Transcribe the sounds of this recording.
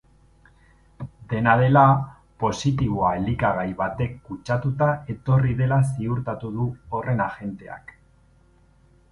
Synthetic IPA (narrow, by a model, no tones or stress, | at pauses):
d̪e̞nað̞e̞la | po̞sit̪iβ̞oaelikaɣajβat̪e̞kːut͡ʃat̪ut̪ae̞t̪o̞riðe̞las̬iuɾt̪at̪uðuo̞re̞naʝe̞nt̪e̞a̰k